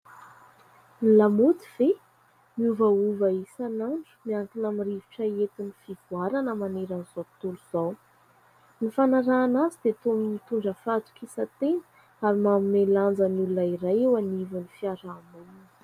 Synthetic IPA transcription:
nilamut̪iv̥e | miuvəuvaisanaɳɖ͡ʐmiaŋkinamiriviʈ͡ʂaet̪inifivuaɾanəmaneɾaniz̥o̥t̪uluz̥aw | nifanaɾaːnazid̪̥et̪ominit̪uɳɖ͡ʐəfat̪u̥kisət̪enə̥ | aɾimamineland͡zənulunəiɾajewanivənifiaɾamun

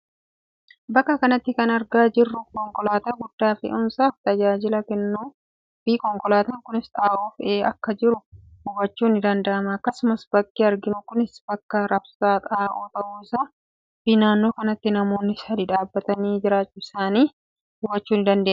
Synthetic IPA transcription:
bɐkːɐkɐnɐt̪ːɪkɐnɐɾɡaːd͡ʒɪrːʊkɔŋkɔlaːt̪ɐːɡʊd̪ːaːfɪ̰ʔʊmsaːft̪ɐd͡ʒaːd͡ʒɪlɐkɛnːuː | biːkɔŋkɔlaːt̪ɐŋkʊnɪsᶑ̪aːʔuːfeːɐkːɐd͡ʒɪɾʊhʊbɐt͡ʃːuːnɪd̪ɐnd̪ɐʔɐmɐːkːɐsʊmɐsb̥ɐkːiːɐɾɡɪnʊkʊnɪsb̥ɐkːɐɾɐbsaːt̪ʼaːʔoːt̪ɐʔuːɪsaː | b̥iːnaːnːoːkɐnɐt̪ːɪnɐmo̞ːnːɪsɐd̪iᶑaːbːɐt̪ɐniːd͡ʒɪɾaːt͡ʃːʊɪsaːniː | hʊbːɐt͡ʃːuːnɪnd̪ɐnd̪eː

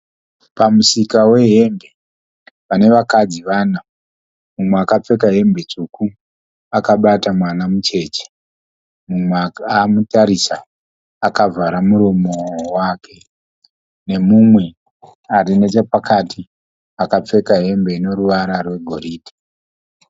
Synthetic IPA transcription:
pamusikawe̞ɦe̞mbe̞ | pane̞ʋakad͡ziʋaːna | mumweakap͡fe̞kaɦe̞mbe̞t͡ʂuku | akaɓatamwanamut͡ʃe̞ːt͡ʃe̥ | mumamutaɾisaː | kavʱaɾamuɾomowaːkʰe̞ | ne̞mumwe̞ | aɾine̞t͡ʃepakatʰi | akap͡fe̞kaɦe̞mbe̞ino̞ɾuʋaɾarwe̞ɡʱo̞ɾiːdʱi̥

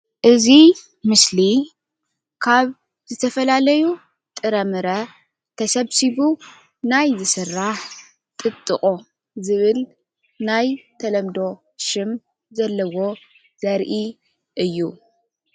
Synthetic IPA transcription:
ʔɨzi | mɨsli | kʰaβ | zɨt̪ʰɐfɐlalɐju | t̪ʼɨɾɐmɨɾɐ | t̪ʰɐsɐβsiβu | najzɨsɨrːaħ | t̪ʼɨt̪ʼːɨχʼo | zɨβɨl | najt̪ʰɐlɐmd̪o̞ | ʃɨm | zɐlːɐwo̞ | zɐɾʔi | ʔɨjːu

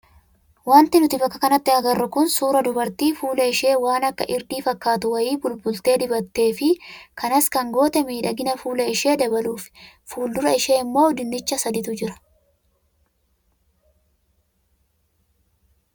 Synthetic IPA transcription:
waːnt̪ɪnʊt̪ɪfɐkːɐkɐnɐt̪ːɪɐɡɐrːʊkʊnsuːɾɐd̪ʊbɐɾt̪iːfuːlɐɪʃe̞ːwaːnɐkːɐ̰ʔɪɾd̪iːfɐkːaːt̪ʊwɐjiːbʊlbʊlt̪e̞ːd̪ɪbɐt̪ːe̞ːfɪkʰɐnɐskɐŋɡo̞ːt̪ɛmiːᶑɐɡɪnɐfuːlɐɪʃe̞ːd̪ɐbɐluːf | fuːld̪ʊɾɐɪʃe̞ːɪmːo̞ːɔd̪ɪnːɪt͡ʃːɐsɐd̪ɪt̪ʊd͡ʒɪɾɐ̥

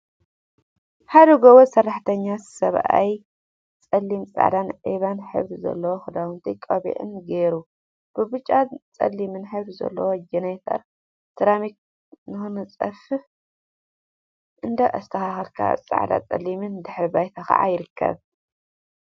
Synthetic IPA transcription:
ħad̪ɐɡowosɐrːaħt̪ʰɐɲːasɐβʔa̰j | t͡sʼɐlːimt͡sʼa̰ʕd̪anʕiβanħɨ̰βd̪zɐ̰lːɐwoxɨd̪awɨnt̪ʰikʼɐβḭʕɨ̰nɡeɾu | b̥ɨbɨt͡ʃʼːat͡sʼɐ̰lːimɨnħɨβzɐ̰lːɐwod͡ʒɛnajt̪ʰɐ̰ɾ | t̪ʰɨɾamik̚ | nɨxɨnɨt͡sʼɐfɨ | ʔɨnd̪ɐʔɐst̪ʰɐxaxɐɾkʰa̰t͡sʼa̰ʕd̪a̰t͡sʼɐ̰limɨnd̪ɨħɾbajt̪ʰaxa̰ʕa̰jɪɾɨkʰːɐ̰β

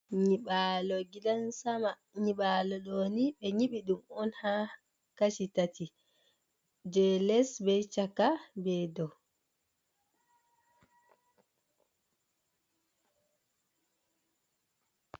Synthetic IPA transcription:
ɲiɓalɔɡidansama | ɲiɓalɔɗoniɓɛɲiɓiɗumɔnha | kaʃitati | d͡ʒɛlɛsbɛjt͡ʃakːabɛdɔ

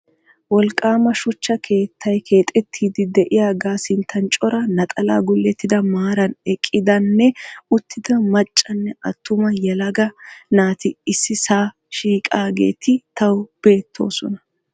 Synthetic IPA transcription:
wɔlkʼːaːmɐʃʊt͡ʃːɐkʰe̞ːt̪ʰːɐjkʰe̞ːt̪ʼɛt̪ʰːiːd̪ɪd̪ɛʔɪjaːɡaːsɪnt̪ʰːɐnt͡ʃʼɔɾɐnɐt̪ʼɐla̰ːɡʊlːɛt̪ːɪd̪ɐmaːɾɐnɛkʼːɪd̪ɐnːɛʊt̪ʰːɪd̪ɐmɐt͡ʃʼːɐnːɛʔɐt̪ːʊmɐjɛlɐɡɐnaːt̪ɪɪsːɪsaː | ʃiːkʼaːɡe̞̰ːt̪ɪt̪ɐwb̥e̞ːt̪ʰːo̞̰ːsɔ̰nɐ

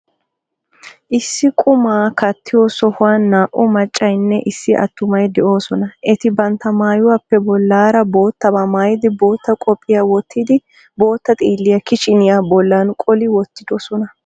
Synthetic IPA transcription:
ʔɪsːɪkʼʊmaːkɐt̪ʰːɪjo̞ːsɔhʊwanːaːʔʊmɐt͡ʃʼːɐjnːɛʔɪsːɪʔɐ̰t̪ːʊmɐjd̪ɛʔo̞ːsɔnɐʔɛt̪ɪbɐnt̪ɐmaːjʊwaːpːɛbɔlːaːɾɐbo̞ːt̪ːɐbɐmaːjɪd̪ɪbo̞ːt̪ːɐkʼɔpʼːɪjawɔt̪ʰːid̪ɪ | bo̞ːt̪ːɐt̪ʼiːlːɪjɐkɪʃɪnɪjaːbɔlːankʼɔlɪwɔt̪ːɪd̪̥osɔnɐ

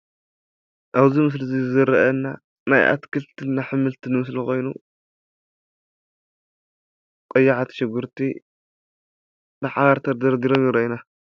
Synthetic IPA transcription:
ʔaβzimɨs̬lizizɨzɨɾːɐʔɐnːa | najʔa̰t̪kʰɨlt̪ʰɨnːaħɨmɨlt̪ʰɨnɨmɨs̬lixo̞jnu | qʼɐjːaʕat̪ʰi̥ʃɪɡɨɾt̪ʰi | nɨħaβaɾt̪ʰɐɾd̪ɐɾd̪iɾomjɪɾɐʔina

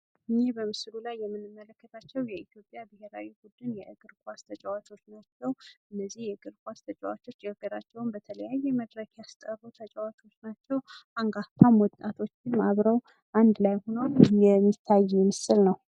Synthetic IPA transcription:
ʔɨnebəmɨslulajːɛmːɨnːɨmːələkːət̪ʰat͡ʃːɛwjɛit̪jo̞pʼjabɨheɾawibud̪ɨnjɛʔɨɡɨɾkʼast̪ʰət͡ʃʼawat͡ʃo̞t͡ʃːnəwt̪əwʔɨnːəzːihjɛɡɨɾkʼʷast̪ʰət͡ʃʼawa̰t͡ʃːo̞t͡ʃːɛɨɡəɾat͡ʃːɛwmbət̪ʰələjajːɛməd̪ɾəkjast̪ʼərut̪ʰət͡ʃʼawat͡ʃʼo̞t͡ʃːnat͡ʃːɛwaŋɡaht̪ʰamwɔt̪ʼːat̪ʰo̞t͡ʃːɪnaβɾəw | ʔand̪lajhononjɛmːit̪ʰːajːjɛmɨsɨlnəw

